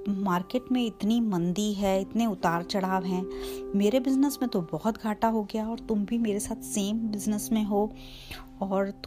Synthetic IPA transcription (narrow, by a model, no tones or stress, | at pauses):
maːɾkeːʈmẽɪt̪nimɐ̃nd̪iɦɛːɪt̪neʊt̪aːɾt͡ʃɐɽaːʋɦɛ̃ːmeːɾebɪznəsmẽt̪obɔɦʊt̪ɡʱaːʈaɦoɡɐjaɔːɾt̪ʊmbʱimeːɾesaːt̪ʰseːmbɪznəsmẽɦoː | ɔːɾt̪